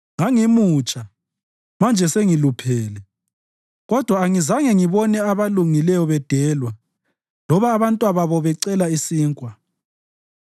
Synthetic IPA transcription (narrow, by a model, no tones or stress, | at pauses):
ŋaŋimuːt͡ʃʼa | mand͡ʒʱɛseŋilupʰɛːlɛ | ɣɔd̥ʱwaːŋizaŋɛŋiβɔnɛaβaluŋilɛjɔβɛd̥ʱɛːlwa | lɔβaːβantʼwaβaβɔβɛǀɛlaisiːŋkʼwa